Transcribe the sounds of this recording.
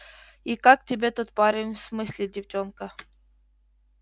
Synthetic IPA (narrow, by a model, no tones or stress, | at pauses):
ikak̚tʲɪbʲet̪ut̪̚paɾʲɪnʲfsmɨsʲlʲɪdʲɪft͡ɕonkə